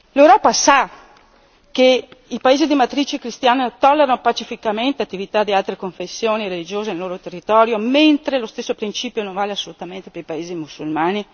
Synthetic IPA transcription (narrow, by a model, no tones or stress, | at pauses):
lewɾɔːpasa | keipaeːzid̪imat̪ɾiːt͡ʃikɾist̪jaːnet̪ɔlːeɾanopat͡ʃifikament̪eat̪ːivit̪ad̪ialt̪ɾekoɱfesːjoːniɾelid͡ʒoːzeneloːɾot̪erːit̪ɔːɾjoment̪ɾelost̪esːopɾint͡ʃiːpjonõɱvaːleasːolut̪ament̪epeɾipaeːzimusːulmaːni